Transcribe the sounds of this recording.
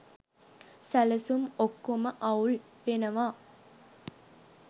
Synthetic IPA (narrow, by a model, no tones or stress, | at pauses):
sæləsumokːoməʔɐwl | ʋenɐʋaː